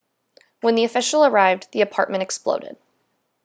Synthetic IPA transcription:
wə̃nðiɨfɪʃl̩ˠə˞aɪvðiɨpʰɑ̰ɹt̚mɨ̃ñɨksplo̰ʊɾɪ̰d̥̚

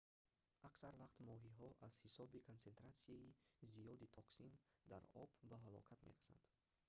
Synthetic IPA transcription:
ʔaksaɾvaqt̪mɔɦiɦɔʔaz̥hisɔbikʰont͡se̞nt̪ɾat̪siaizijɔd̪it̪ʰɔksind̪a̰ɾɔ̰bbaɦalɔ̰kʰat̪mḛɾasa̰nd̪̥

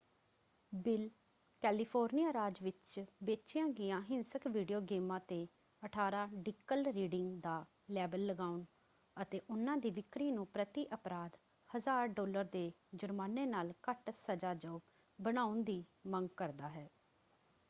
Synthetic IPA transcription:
bɪl | kɛːliːpʰoːɾnijaːɾaːd͡ʒʋɪt͡ʃbeːt͡ʃɪjãːɡɪjãːɦɪnsəkʋiːɖijoːɡeːmãːt̪eː | əʈʰaːɾãːɖɪkːəlɾiːɖɪŋɡd̪aː | lɛːbəlːəɡaːʊn | ət̪eːʔʊnãːd̪iːʋɪkɾiːnũːpɾət̪iːʔəpɾaːd̪ | həzaːɾɖɔːləɾd̪eːd͡ʒʊɾmaːneːnaːlkəʈsəd͡ʒaːd͡ʒəː | bəñaːʊnd̪iːməŋɡkəɾd̪aːɦɛː

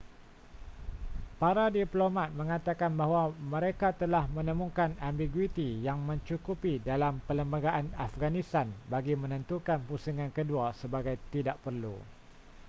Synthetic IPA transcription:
paɾadiplomãt̪̚mə̃ŋat̪akanbaɦwamə̃ɾekat̪əlahmə̃nə̃mũkanambiɡwit̪ijaŋmə̃ɲt͡ʃukupidalampələmbəɡaʔanafɡanĩst̪anbaɡimə̃nə̃nt̪ukanpusuŋãnkəduasəbaɡajt̪idaʔpərlṵ

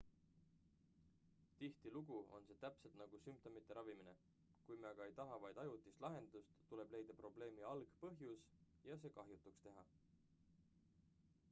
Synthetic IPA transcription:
t̪iht̪iluɡ̥uo̞̰nse̞ːt̪æpse̞lt̪nɑɡ̥usymp̚t̪o̞mit̪ˑːe̞ɾɑvimine̞̰ | kujmeɑɡ̥ɑe̞jt̪ɑɦɑvɑjd̪̥ɑjut̪ːˑist̪lʔɑɦe̞nd̪̥ust̪ːule̞ble̞jd̪̥ɑpro̞ble̞ːmiɑlɡ̥pɤɦjus | jɑs̬e̞ːkɑɦjut̪ːˑukst̪e̞ɦɑ

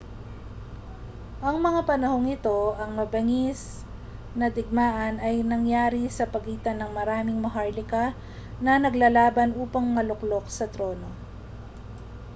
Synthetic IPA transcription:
ʔɐŋmɐŋapɐnɐho̞ŋɪt̪o̞ʔɐŋmɐbɐŋɪs | nɐd̪ɪɡ̚maːʔɐnɐjnɐŋjaːɾisɐpɐɡiːt̪ɐnɐŋmɐɾaːmɪŋmɐɦaɹlɪkɐ | nɐnɐɡlɐlaːbɐnʔuːpɐŋmɐlʊklo̞k̚sɐt̪ɾo̞ːno̞

